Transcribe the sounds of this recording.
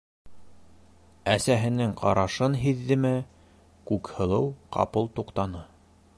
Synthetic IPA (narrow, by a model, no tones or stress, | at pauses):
æsæɦɘ̆nɘŋqʰɑɾɑʃɤnɦiðːɘ̆mɘ | kʉkhɤ̆lˠɤwqɑ̰pɤlˠt̪uqt̪ɑnɤ